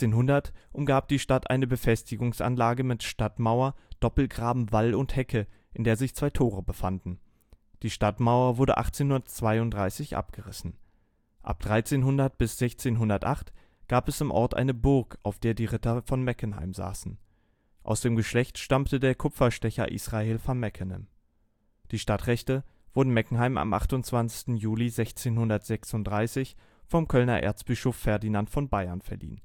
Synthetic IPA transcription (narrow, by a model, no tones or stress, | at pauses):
eːnɦʊndɐtʔʊmɡaːp̚d̥iːʃtatʔa̰ɪnəbəfɛstɪɡʊŋsʔa̰nlaːɡəmɪtʃtatmaʊɐd̥ɔpl̩ɡʁaːbm̩valʊnthɛkʰə | ʔɪndeːɐzɪçt͡sv̥aɪtʰoːʁəbəfandn̩ | d̥iːʃtatmaʊɐvʊɐdə̰ʔa̰χt͡seːnhʊndɐtt͡sv̥aɪʊntd̥ʁaɪsɪçʔa̰p̚ɡ̥əʁɪsn̩ | ʔa̰p̚d̥ʁaɪt͡seːnɦʊndɐt̚b̥ɪsz̥ɛçt͡seːnɦʊndɐtʔaχt | ɡ̥aːpɛsɪmʔɔɐtʔa̰ɪnəbʊɐkaʊfd̥eːɐdiːʁɪtɐfɔnmɛkənɦa̰ɪmza̰ːsn̩ | ʔa̰ʊsd̥eːmɡəʃlɛçtʃtamtədeːɐkʰʊpp͡ffɐʃtɛçɐ̰ʔḭːsʁ̥aeːlfɔnmɛkʰənɛ̰m | d̥iːʃtatʁ̥ɛçtə | v̥ʊɐdn̩mɛkŋ̩ɦaɪmʔa̰mʔa̰χtʊnt͡sv̥ant͡sɪ̥çstn̩juːlizɛçt͡seːnhʊndɐtz̥ɛksʊntd̥ʁaɪsɪç | fɔmkʰœlnɐʔḛɐt͡sb̥ɪʃoːfːɛɐdinantfɔnbaɪɐnfɛɐlḭːn